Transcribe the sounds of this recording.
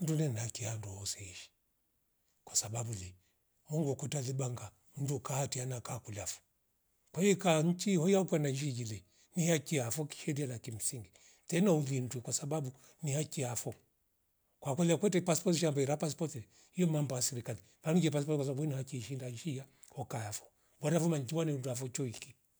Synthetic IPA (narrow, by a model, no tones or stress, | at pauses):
n̩dunɛnakianduhɔsɛiʃi̥ | kwasababuli | muŋɡɔkɔtaliɓaŋɡa | m̩dukahatianakakulafɔ̥ | kwaiikaɲ̩t͡ʃihɔjakwanad͡ʒid͡ʒili | nihakiafɔki̥ʃɛɾialakim̩siŋɡi | tɛnauðin̩twɛkwasababu | nihakiafɔ | kwakwɛliakwɛtɛpaspɔtiʃambaiɾapaspɔtilɛ | hijɔmambajasɛɾikali | vanid͡ʒɛpaspɔtkwas̬babuinihakiʃindad͡ʒija | hɔkaafɔ̥ | bɔɾafɔmaɲ̩t͡ʃiwanɛunduafɔt͡ʃɔiki